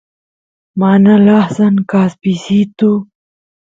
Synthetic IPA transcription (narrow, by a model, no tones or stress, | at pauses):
maːnalaːhsankaːspisit̪u